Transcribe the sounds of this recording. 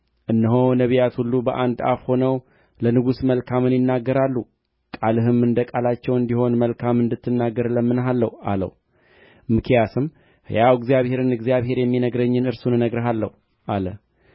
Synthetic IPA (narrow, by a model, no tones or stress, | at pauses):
ʔɨnːəɦonəβijat̪hulːubəʔand̪a̰fho̞nəw | lənɨɡusməlkʰamɨnjɪnːaɡːəɾalːu | kʼalɨɦɨmɨnd̪əkʼalat͡ʃːɛwɨnd̪iho̞nməlkʰamɨnd̪ɨt̪ʰːɨnːaɡːəɾləmːɨnɦalːəha̰lə̰h | mɨkʰijasɨm | hjawɪɡzijaβhe̞ɾɨnɨɡzjaβhe̞ɾjɛmːinəɡɾəɲːɨnɨɾsunɨnəɡɾəɦalːə̰hu | ʔalə